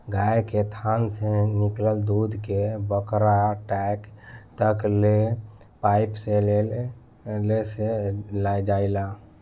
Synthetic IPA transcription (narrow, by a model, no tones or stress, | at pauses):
ɡaeket̪ʰansẽnikləld̪ud̪ʱkebəkɾaʈɛkt̪əkle | paipsele | leselajd͡ʒaila